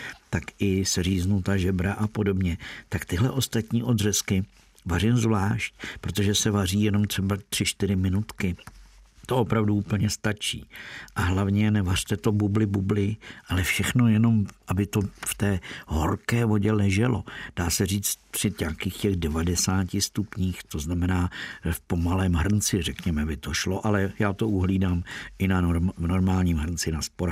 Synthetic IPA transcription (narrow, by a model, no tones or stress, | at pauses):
t̪akɪsɛr̝iːznut̪aʒɛbɾaʔapo̞do̞bɲɛt̪akt̪ɪɦlɛʔo̞st̪at̪ɲiːʔo̞d̪rɛskɪ | varɪmzvlaːʃcpɾo̞t̪o̞ʒɛsɛvariːjɛno̞mt̪r̥ɛbat̪r̝̥ɪʃt̪ɪɾɪmɪnut̪kɪ | t̪o̞opɾavduuːpl̩ɲɛst̪at͡ʃḭːʔaɦlavɲɛnɛvar̥t̪ɛt̪o̞bublɪbublɪʔalɛfʃɛxno̞jɛno̞mʔabɪt̪o̞ft̪ɛːɦo̰rkɛːvo̞ɟɛlɛʒɛlo̞d̥aːsɛr̝iːt͡st̪pr̥ɪɲaːkiːxcɛɣdɛvadɛsaːcɪst̪upɲiːxt̪o̞znamɛnaːfpo̞malɛːmɦr̩nt͡sɪrɛkɲɛmɛbɪt̪oʃlo̞ʔalɛjaːt̪o̞ʔuɦliːdaːmʔɪnano̞ɾmaːlɲiːmɦrnt͡sɪnaspoɾa